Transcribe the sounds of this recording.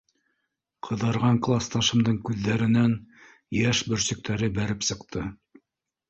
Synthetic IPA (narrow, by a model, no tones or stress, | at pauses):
qʰɤ̆ðɤ̆ɾʁɑŋklˠɑst̪ɑʃɤ̆md̪ɤɴkʉðːæɾɘ̆næn | jæʃbɵ̆ɾsɵ̆k̚t̪ʰæɾɘbæɾɘpsɤ̆qt̪ʰɤ